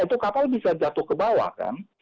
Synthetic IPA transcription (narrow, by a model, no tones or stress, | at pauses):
it̪ukapalbisad͡ʒat̪ʊhkəbawa̰ka̰n